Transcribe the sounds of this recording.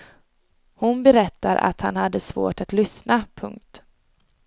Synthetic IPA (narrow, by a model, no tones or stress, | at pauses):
hʊnbɛɾɛt̪ːaɾʔa̰t̪ha̰nhad̪ːəsvo̰ːʈat̪lʏsnapʰɵŋk̚t̪